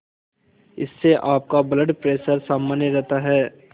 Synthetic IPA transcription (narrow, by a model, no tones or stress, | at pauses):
ɪ̰sːeʔaːp̚kabləɖpɾeːʃəɾsaːmːənjeɾɛɦt̪aɦɛː